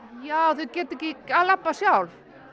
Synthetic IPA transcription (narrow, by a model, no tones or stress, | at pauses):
jawθœcɛːt̪ɛhcɪalapːasjawl